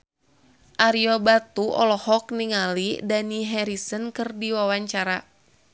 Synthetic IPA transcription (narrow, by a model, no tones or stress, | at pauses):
ʔaɾiobat̪uʔɔ̰lɔhɔk̚niŋalidaniɦɛɾisənkɨrdiwawaɲt͡ʃaɾa